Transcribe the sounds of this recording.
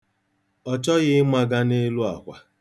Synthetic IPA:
ɔ˨t͡ʃɔ˦ɣɪ˦ma˦ɡa˦ne˦lu˦a̰˨kʷa˨

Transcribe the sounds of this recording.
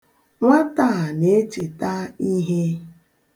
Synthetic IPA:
ŋʷa˦ta˦˨ne˦e˦t͡ʃi˨ta˦i˦ɦe˦

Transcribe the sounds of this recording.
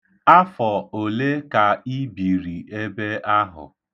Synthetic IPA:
a˦fɔ˨o˨le˦ka˨i˦bi˨ɾi˨e˦be˦ʔa˦ɦʊ̰˨

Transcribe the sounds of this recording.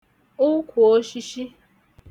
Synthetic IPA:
ʊ˦kʷʰu˨o˦ʃi˦ʃi˦

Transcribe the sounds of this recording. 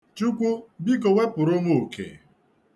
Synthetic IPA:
t͡ʃu˦kʷu˦bi˦ko˨we˦pʊ˨ɾʊ˦mo˦˨kʰḛ˨

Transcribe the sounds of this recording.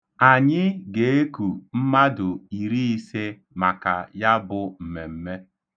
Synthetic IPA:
a˨ɲɪ˦ɡe˨˦e˦ku˨m̩˦ma˦dʊ˨i˨ɾi˦i˦se˦ | ma˨ka̰˨ja˦bʊ˨m̩˨me˨m̩˦me˦

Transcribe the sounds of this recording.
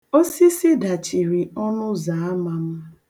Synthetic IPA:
o˦si˦si˦da˨t͡ʃi˨ɾi˨ɔ˦nʊ˦za˨a˦ma˨m̩˦

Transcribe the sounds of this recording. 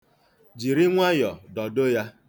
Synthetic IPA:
d͡ʒi˨ɾi˦ŋʷa˦jɔ˨dɔ˨do˦ja˦

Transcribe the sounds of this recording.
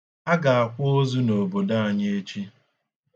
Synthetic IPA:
a˦ɡa˨a˨kʷʊ˦o˦zu˦no˨bo˨da˦a˨ɲe˦e˦t͡ʃi˦

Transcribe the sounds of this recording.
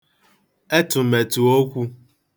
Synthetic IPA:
e˦tʊ˨me˨tu˨o˦kʷu˦

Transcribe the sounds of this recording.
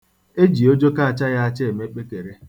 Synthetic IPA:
e˦d͡ʒi˨o˦d͡ʒo˦ka˦a˨t͡ʃa˦ɣa˦a˦t͡ʃe˦e˨me˦k͡pe˦te˨ɾe˦

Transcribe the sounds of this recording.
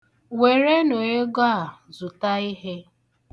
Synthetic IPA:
we˨ɾe˦no˨e˦ɡa˦a˨zʊ˨ta˦i˦ɦe˦

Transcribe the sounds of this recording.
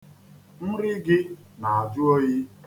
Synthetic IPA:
n̩˦ɾɪ˦ɡɪ˦ | na˨a˨d͡ʒʊ˦o˦ɣi˦

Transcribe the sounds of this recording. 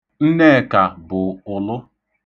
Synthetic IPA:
n̩˦ne˦˨ka˨bʊ˨ʊ˨lʊ˦

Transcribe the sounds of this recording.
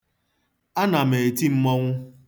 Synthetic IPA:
a˦na˨me˨ti˦m̩˦mɔ˦ŋʷʊ˦

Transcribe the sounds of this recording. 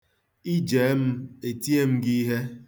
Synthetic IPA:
i˦d͡ʒeː˨˦m̩˦e˨ti˦e˦m̩˦ɡi˦ɦe˦

